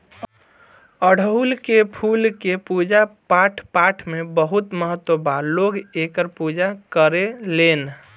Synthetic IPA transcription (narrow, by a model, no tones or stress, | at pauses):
əɽ̤ʱəɦulkepʰulkepud͡ʒapaʈʰpaʈʰmebəɦut̪məɦət̪wəbalːoɡekəɾpud͡ʒakəɾelen